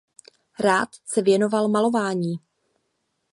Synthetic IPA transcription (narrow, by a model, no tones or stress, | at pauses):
ɾaːt̪sɛvjɛno̞valmalo̞vaːɲiː